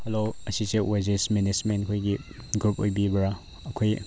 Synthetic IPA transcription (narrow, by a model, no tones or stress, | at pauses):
heloɐsit͡ʃewezesminismenkʰojɡiɡɾupʰo̰jbibɐɾa | ɐkʰoj